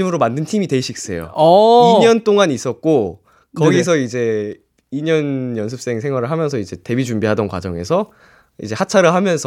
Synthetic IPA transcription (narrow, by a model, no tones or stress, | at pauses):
imɯɾomandɯntʰimite̞ɕ͈ʰik̚s͈e̞̰jo̰iɲʌnt͈oŋanis͈ʌt̚k͈o | kʌɡis̬ʰʌid͡ʑe̞ | iɲʌnjʌnsʰɯp̚s͈e̞ŋsʰe̞ŋɦwaɾɯɭɦamjʌnsʰʌid͡ʑe̞te̞bid͡ʑumbiɦadʌnkwa̰d͡ʑʌŋe̞sʰʌ | ḭd͡ʑe̞hat͡ɕʰaɾɯɭɦamjʌnsʰ